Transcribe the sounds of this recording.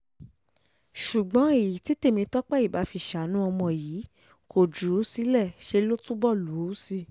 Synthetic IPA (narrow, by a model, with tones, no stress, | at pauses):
ʃu˨ɡ͡bɔ̃˨˦e˦˨ji˨ti˨˦te˦˨mĩ˧tɔ˦k͡pɛ˦˨i˦˨ba˨˦fi˧˨ʃa˨˦nũ˦ɔ˧mɔ̃˧jiː˨˦ | kʰo˨d͡ʒu˨˦si˦lɛ˦˨ʃe˧lo˦tũ˦bɔ˦˨lu˨˦si˧